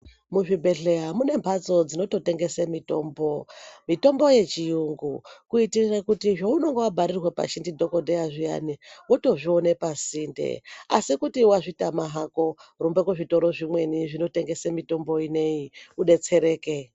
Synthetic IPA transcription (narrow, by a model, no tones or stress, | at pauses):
muʐibʱe̞ɮe̞jamune̞mpʰat͡so̞d͡zino̞to̞te̞ŋɡe̞semito̞̰ːmbo̞mito̞mbo̞je̞t͡ʃijuŋɡukuitirirakutiʐouno̞ŋɡewabʱaɾirwepa̰ʃindidʱo̞ko̞dʱejaʐija̰niwoto̞ʐio̞ne̞pasindḛa̰sikutiwaʐitamaɦako̞rumbekwuʐito̞ɾo̞ʐimwe̞niʐino̞te̞ŋɡe̞semito̞mbo̞ine̞iuɗe̞t͡se̞ɾe̞ːke̞